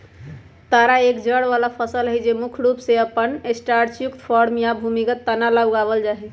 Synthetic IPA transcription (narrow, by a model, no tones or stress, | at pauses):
t̪aɾaekd͡ʒəɽʋalapʰəsəlɦəjd͡ʒemukʰɾupseəpːənesʈaɾt͡ʃjukt̪pʰɔɾmjabʱumikət̪ːənalabɡaβəld͡ʒaɦɛ